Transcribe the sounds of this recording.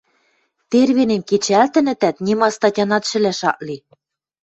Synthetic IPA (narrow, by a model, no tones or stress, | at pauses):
t̪erβinĕmket͡ɕælt̪ɘ̆nɘ̆t̪æt̪nʲimɑst̪ɑtʲɑnɑt̪ʃɘ̆læʃɑ̰ʔli